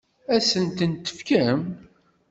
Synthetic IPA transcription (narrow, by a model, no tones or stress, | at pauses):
æsənt̪ənt̪ə̥fkæm